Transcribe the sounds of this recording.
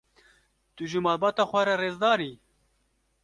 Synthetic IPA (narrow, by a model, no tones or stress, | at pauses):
t̪uʒɨmɑːlbɑːt̪ɑːxʷɛɾɛreːzd̪ɑːɾiː